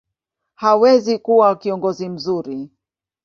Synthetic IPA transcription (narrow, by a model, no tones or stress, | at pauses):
hawɛzikuwakiɔŋɡɔzim̩zuɾi